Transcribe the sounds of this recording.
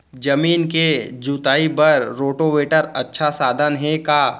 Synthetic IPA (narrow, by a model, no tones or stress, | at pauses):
d͡ʒɐmiːnked͡ʒuːt̪aːibɐɾɾoːʈoʋeːʈəɾɐtːʃʰasaːd̪ʱənɦɛ̃ka